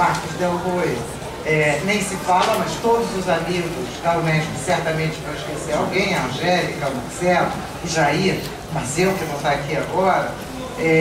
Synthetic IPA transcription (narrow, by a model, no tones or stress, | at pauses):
maɾkʊzd̪ewɦoj | ɛnẽj̃sɪfalɐmɐst̪od̪ʊzʊzamiɡʊsd̪almɛd͡ʒkʊsɛɾt̪ɐmẽt͡ʃɪ̥pɾɐɪʃkeseɾawɡẽj̃ɐ̃ʒɛlikɐma̰ɾsɛlʊ̰ | iʒai | mɐzewkevõw̃t̪aɾakiaɡɔɾɐ | ɛ